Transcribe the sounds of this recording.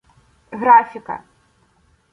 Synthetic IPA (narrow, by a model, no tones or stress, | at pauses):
ɣɾafʲɪkɐ̰